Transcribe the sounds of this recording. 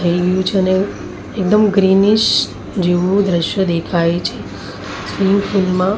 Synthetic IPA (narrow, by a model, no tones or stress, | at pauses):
t̪ʰəiɡəjũt͡ʃʰeəne | ek̚d̪əmɡɾiniʃ | d͡ʒeʋũd̪ɾəʃjəd̪ekʰaet͡ʃʰe | spiŋɡfulmã